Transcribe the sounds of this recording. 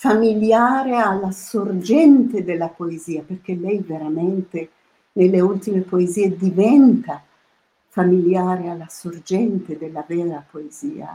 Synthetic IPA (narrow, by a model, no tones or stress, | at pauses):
familjaːɾealːasord͡ʒɛnt̪ed̪elːapoeziːaperk̟elɛjveɾament̪e | nelːeult̪imepoeziːed̪ivɛnt̪a | familjaːɾealːasord͡ʒɛnt̪ed̪elːavɛːɾapoezḭːa̰